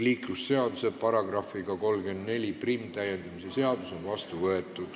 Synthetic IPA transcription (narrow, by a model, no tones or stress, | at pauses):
liːklusːe̞ɑd̪use̞pɑɾɑɡ̥rɑfiɡ̥ɑko̞lɡynd̪ne̞lʲiprimːt̪æje̞nd̪̥ɑmisese̞ɑd̪̥uso̞nvɑst̪uvɤe̞t̪ːˑud̥̪